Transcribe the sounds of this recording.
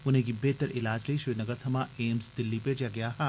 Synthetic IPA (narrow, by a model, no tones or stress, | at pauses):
ʊnɦẽkibeːt̪əɾʔɪlaːd͡ʒleiʃinɐɡəɾt̪ʰɐmaeːmzd̪ɪlːiped͡ʒjaɡɐjaɦɛː